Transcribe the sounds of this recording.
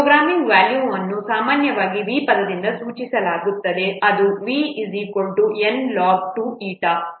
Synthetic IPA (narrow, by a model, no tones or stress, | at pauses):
pɾoɡɾaːmiŋɡʋaːljuːɐnːusaːmaːnjɐʋaːɡiʋiːpɐd̪ɐd̪ind̪ɐsuːt͡ʃisɐlaːɡut̪ːɐd̪e̞ɐd̪uʋiːisiko̞ɳʈuenlaːɡ̚ʈuːiːʈa